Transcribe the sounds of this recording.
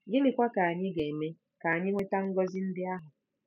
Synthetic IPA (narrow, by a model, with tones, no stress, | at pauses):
ɡɪ˦lɪ˨kʷa˦ka˨a˨ɲɪ˦ɡe˨me˦ | ka˨a˨ɲɪ˦ŋʷe˦ta˦ŋ̩˦ɡɔ˦zɪ˦n̩˦dɪ˦a˦ɦʊ˨